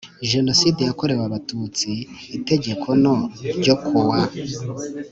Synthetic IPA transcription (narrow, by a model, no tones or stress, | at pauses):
ʒe̞no̞sidejako̞ɾe̞waβatut͡siːte̞ɟe̞kʰo̞noɟokʰuwa